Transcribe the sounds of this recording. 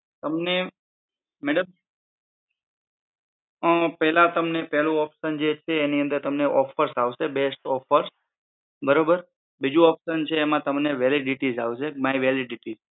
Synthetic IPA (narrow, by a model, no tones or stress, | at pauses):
t̪əmne | meɽəm | əpɛɦlãt̪əmnepɛɦlũɔpʃənd͡ʒet͡ʃʰeːniə̃nd̪əɾt̪əmneʔɔfʰəɾsaʋʃebesʈɔfʰəɾs | bəɾobəɾ | bid͡ʒũɔpʃənt͡ʃʰeːmãt̪əmneʋeliɖiʈizaʋʃemaiʋeliɖiʈid͡ʒ